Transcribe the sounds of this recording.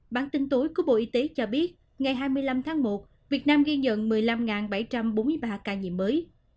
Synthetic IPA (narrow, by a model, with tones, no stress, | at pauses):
ɓa̰ː˧˨nt̪ï˧ŋt̪o˨˦jku˧˩əɓo̰˧˨ʔi˨˦t̪e˨˦t͡ɕɔ˧ɓi˦˥ət̚ | ŋa˨˩jɦaː˧jmɨ˧əjla˧mt̪ʰaː˨˦ŋmo˨˩t̚ | vi˨˩ət̚naː˧mɣi˧ɲə̰˧˨nmɨ˨˩əjla˧mŋaː˨˩nɓa˧˩jt͡ɕa˧mɓo˨˦nmɨ˧əjɓaː˧kaː˧˩ɲḭ˧˨mːəː˨˦j